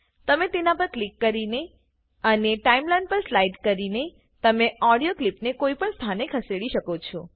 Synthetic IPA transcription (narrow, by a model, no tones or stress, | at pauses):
t̪əmet̪enapəɾklikːəɾine | əneʈaimlajnɖpəɾslaiʈkəɾine | t̪əmeɔɽijoklipnekoipəɳst̪ʰanekʰəseɽiʃəkot͡ʃʰɔ